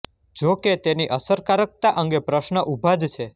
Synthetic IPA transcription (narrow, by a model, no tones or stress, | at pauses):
d͡ʒoket̪eniʔəsəɾkaɾək̚t̪aʔəŋɡepɾəʃnəʔubʱad͡ʒt͡ʃʰe